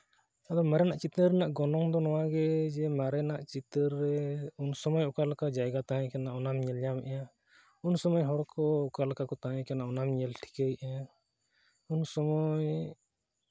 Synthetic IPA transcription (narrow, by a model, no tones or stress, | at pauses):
ad̪ɔmaɾɛnaʔt͡ʃit̪əɾɾɛnaʔɡɔnɔŋd̪ɔnɔwaɡɛd͡ʒɛmaɾɛnaʔt͡ʃit̪əɾːɛunsɔmɔjɔkalkad͡ʒajɡat̪aɦɛ̃kɛnaʔɔnamɲɛljamʔɛjã | unsɔmɔjɦɔɾkʰɔɔkalkakɔt̪aɦãkɛnaʔɔnamɲɛlʈʰi̥kejʔaã | unsɔmɔj